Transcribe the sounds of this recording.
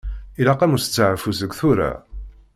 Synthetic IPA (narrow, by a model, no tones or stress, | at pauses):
ilæqæmust͡sːəʕəfusəɡʷθuɾa̰